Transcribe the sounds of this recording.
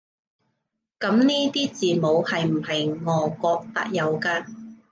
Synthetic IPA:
kɐ˨˥mniː˥t̪iː˥t͡siː˨mo˨˧whɐ˨jm̩˨˩hɐ˨jŋɔː˨˧kɔː˧k̚t̪a̰ː˧k̚jɐ˨˧wkaː˧

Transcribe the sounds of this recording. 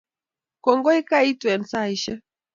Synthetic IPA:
kɔ˨ŋɡɔ˦i˦ka˦i˦twɛ˨nsa˦˨i˨ʃɛ˦

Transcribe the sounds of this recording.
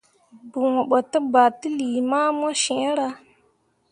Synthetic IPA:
bu˨ŋo˨ɓə˨tə˦ba˨ti˦li˨ma˦ma˦ʃẽ˨˦ɾa˦

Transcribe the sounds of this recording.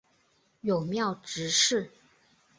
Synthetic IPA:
jo˨˩ʊmjɑ˥˩ʊʈ͡ʂɻ̩˧˥ʂɻ̩˥˩

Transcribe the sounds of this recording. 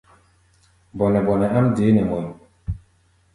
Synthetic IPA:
bɔ˨nɛ˨bɔ˨nɛ˨a˦mde˨˦nɛ˨mɔ˨l

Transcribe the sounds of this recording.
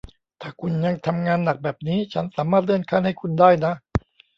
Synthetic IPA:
t̪ʰaː˥˩kʰu˧nja˧ŋt̪ʰa˧mŋaː˧nːa˨˩k̚bɛː˨˩p̚niː˦˥t͡ɕʰa˦˥nsaː˩˦maː˥˩t̪̚lɯ˥˩ənkʰaː˥˩nha˥˩jkʰu˧ndaː˥˩jna˦˥ʔ

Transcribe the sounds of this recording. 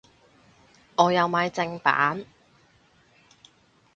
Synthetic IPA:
ɔː˨˧jɐ˨˧wmaː˨˧jt͡sɪ˧ŋpa̰ː˨˥n

